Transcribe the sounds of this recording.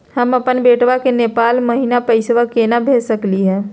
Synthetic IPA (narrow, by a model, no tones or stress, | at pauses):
həməpənbeːʈʋakenepaːlməɦinapəɪsʋakenabʱesəkliɦɛ̃ː